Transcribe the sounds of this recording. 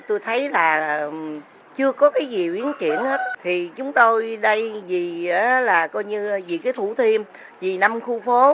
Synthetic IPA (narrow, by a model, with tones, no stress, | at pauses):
t̪o˧jt̪ʰə˨˦jlaː˨˩ | t͡ɕɨ˧əkɔ˨˦kaː˨˦jzi˨˩ʔi˨˦ənkḭ˧˩˨ənhe˦˥t̚t̪ʰi˨˩t͡ɕʊ˨˦ŋ͡mt̪o˧jɗə˧jzi˨˩˨laː˨˩kɔ˧jɲɨ˧zḭ˧˨kaː˨˦t̪ʰu˧˩t̪ʰi˧əm | vi˨˩na˧mxu˧fo˨˦